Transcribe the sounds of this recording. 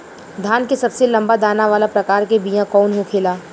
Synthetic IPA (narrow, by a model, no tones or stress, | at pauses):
d̪ʱaːnkesɐbselɐ̃mbad̪aːnaʋaːlapɾɐkaːɾkebijãkɔːnɦokʰeːlaː